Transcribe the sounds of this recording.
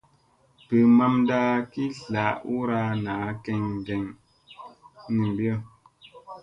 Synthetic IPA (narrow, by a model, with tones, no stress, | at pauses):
pə˨ma˦mdaː˦ki˦ɬa˨˦ʔu˦ɾa˦naː˨˦kɛ˦ŋ˨dɛ˨ŋ | ni˨m˨bjɔ˦˨